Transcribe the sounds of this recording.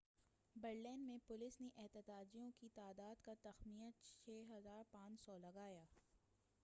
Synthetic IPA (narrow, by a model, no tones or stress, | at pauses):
bɐɾlɛːnmẽpʊlɪsneʔɪɦt̪ɪt̪aːd͡ʒijõkit̪aːd̪aːd̪kat̪ɐxmijət̪̚t͡ʃʰeːɦɐzaːɾpãːt͡ʃsɔlɐɡaːjaː